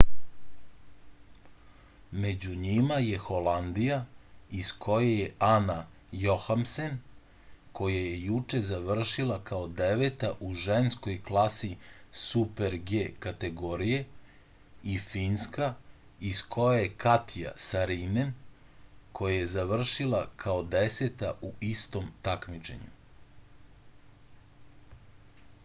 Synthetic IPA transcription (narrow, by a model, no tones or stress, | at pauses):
me̞d͡ʑuɲimaje̞xo̞land̪ijaiskʰo̞jajeana | jo̞xamsen | kʰo̞jajejut͡ʂe̞zaʋr̩ʃilˠakaod̪eʋet̪aʔuʒensko̞jklˠasisupe̞ɾɡekat̪e̞ɡo̞ɾije̞ | ifinska | iskʰo̞jajekat̪ʰija̰saɾinen | kʰo̞jaje̞zaʋr̩ʃilˠakʰaod̪eset̪aʔuist̪o̞mt̪akmit͡ʃe̞̰ɲṵ